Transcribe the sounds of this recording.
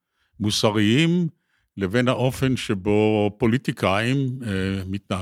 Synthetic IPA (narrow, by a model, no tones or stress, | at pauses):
musaʁiim | levenhaʔo̞fe̞nʃebo̞po̞lit̪ikʰaimː | it̪na